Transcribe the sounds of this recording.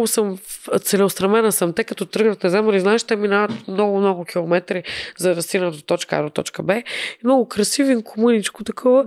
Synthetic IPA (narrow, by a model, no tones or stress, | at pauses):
ɡʊsəmt̪sɛlɛʊst̪ɾɐmɛnəsɐmt̪ɛkɐt̪ɔt̪ɾɤɡnət̪nɛzamɐliznaɛʃt̪ɛminaɐt̪mnɔɡʊmnɔɡʊkʰʲilˠomɛt̪ɾizɐɾɐsinət̪ot̪ɔt͡ʃkəa̰ɾt̪ɔ̰t͡ʃkəbɛmnɔɡʊkɾɐsivinkʰomunit͡ʃkʊt̪ɐkʰɔvə